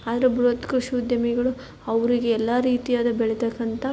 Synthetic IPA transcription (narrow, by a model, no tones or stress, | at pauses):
aːd̪ɐɾebɾot̪kɾuʃud̪jɐmiɡɐɭu | ɐʋɾiɡeɛlːaɾiːt̪ijaːd̪ɐbɛɭet̪ɐkːɐnt̪ɐ